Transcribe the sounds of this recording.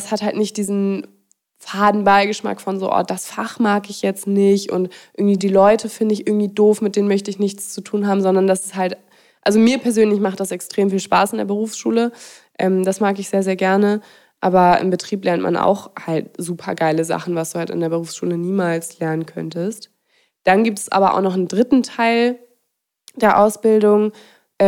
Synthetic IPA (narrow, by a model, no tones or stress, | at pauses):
shathaltnɪçt̚d̥iːzn̩ | faːdn̩baɪɡəʃma̰kfɔnzo̰ːʔɔ̰ɐt̚d̥asfaχmaːkɪçjɛt͡stnɪçtʔʊ̰ntʔʔɪɐɡŋ̩tv̥iːdiːlɔʏtʰəfɪndəɪçʔɪɐɡŋ̩tv̥iːdoːfmɪtd̥eːnənmœçtəɪçnɪçt͡st͡sutʰuːnɦaːbm̩zɔndɐndasɪ̥shalt | ʔalzomiːɐpʰɛɐzøːnlɪçmaχt̚d̥asɛkstʁ̥eːmfiːlʃpa̰ːsɪndeːɐbəʁ̞uːfsʃuːləʔɛːmd̥asmaːkɪçz̥eːɐzeːɐɡɛɐnə | ʔaːbɐʔɪ̰mbətʁ̥iːplɛɐntma̰nʔa̰ʊxhalt̚z̥uːpʰɐ̰ɡaɪləza̰χn̩vasd̥uːhalta̰ndeːɐbəʁ̞uːfsʃṵːləniːmaːlslɛɐnənkʰœ̰ntəst | d̥anɡiːp̚tɛ̥sʔa̰ːbɐʔa̰ʊxnɔχn̩dʁɪtn̩tʰaɪl | d̥eːɐʔaʊsb̥ɪldʊŋ | ʔɛ